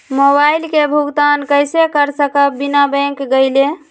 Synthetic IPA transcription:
mobajlkebʱuɡt̪ankəjsekəɾsəkəpbinabə̃ŋkɡəjle

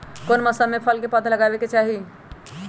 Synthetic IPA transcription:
konməsəmepʰəlkepət̪ʰləɡabeket͡ʃaɦi

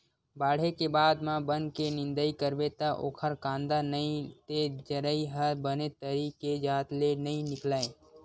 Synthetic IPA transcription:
baːɽ̤ekebaːd̪mãbənkenɪ̃nd̪əikəɾbet̪aʔo̰ːkʰəɾkãːnd̪anəĩt̪ed͡ʒəɾəiɦəɾbənet̪əɾiked͡ʒaːt̪lenəĩnɪklaːẽ

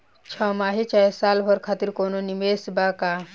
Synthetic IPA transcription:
t͡ʃʰɔmaːɦet͡ʃajsaːlɦɔɾkʰaːt̪iɾkoːnonimesbaːkaː

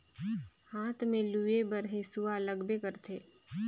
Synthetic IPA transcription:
haːt̪ʰmẽluːebəɾɦẽsualəɡbekəɾt̪ʰeː

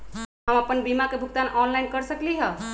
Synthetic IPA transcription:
ɦəməpənbimakebʱuk̚t̪anʔɔnlajnkəɾsəkliɦə

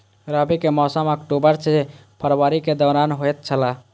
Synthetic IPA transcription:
ɾabikemɔsəməkʈobəɾt͡ʃʰepʰəɾʋaɾiked̪əɾanɦojt̪̚t͡ʃʰəla

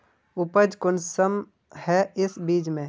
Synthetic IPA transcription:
ʊpəd͡ʒkʊnsəm | hɛɪsbiːd͡ʒmẽː

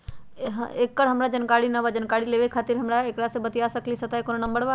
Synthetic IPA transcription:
ɦeːkːəɽɦɐmɽad͡ʒɐnkaːɽinɐʋad͡ʒənkaːɽileːʋekʰaːt̪ɪɾɦɐmɽaeːkɽasebət̪ijaːsɐklisɐt̪aekononə̃mbəɽʋaː

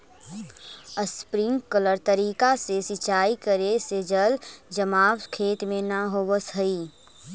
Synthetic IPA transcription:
əspɾɪ̃ŋɡkələɾt̪ɐɾiːkasesɪt͡ʃaːikəɾesed͡ʒəld͡ʒəmaːʋkʰeːt̪mẽnaɦoːʋəsɦɐiː

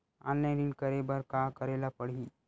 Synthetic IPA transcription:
ã̰nẽɾinkəɾebəɾkakəɾelapəɽi

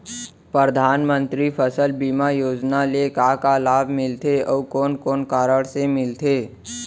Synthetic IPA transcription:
pɾəəd̪ʱaːnmə̃nt̪ɾipʰəsəlbiːmajoːd͡ʒnalekaːkalaːbʱmɪlt̪eɔːkɔːnkɔːnkaːɾəɽsemɪlt̪ʰeː

